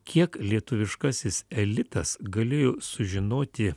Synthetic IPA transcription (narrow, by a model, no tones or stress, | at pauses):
kʲiɛklʲiɛt̪ʊʋʲɪʃkɑːsʲɪsɛlʲɪt̪ɐsɡɐlʲeːjoːsʊʒʲɪnoːt̪ʲɪ